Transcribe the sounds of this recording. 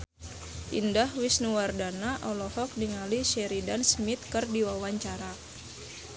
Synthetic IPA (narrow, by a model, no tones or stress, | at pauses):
ʔindahwisnuwardanaʔɔlɔhɔk̚niŋaliʃɛɾidansmit̪̚kɨrdiwawaɲt͡ʃaɾa